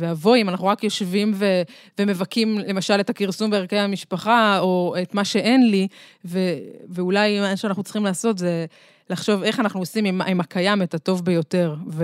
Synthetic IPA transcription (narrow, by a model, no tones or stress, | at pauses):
veavo̞imanaχnuʁakjo̞ʃvimve | veme̞vakimle̞maʃale̞takiʁsumbeaʁkehamiʃpaχao̞etmaʃe̞ʔe̞nliveveulajmaʃeanaχnutt͡siχimlaːso̞tze̞ | laχʃo̞ve̞χanaχnuosimimimakajametato̞vbe̞jo̞te̞ʁve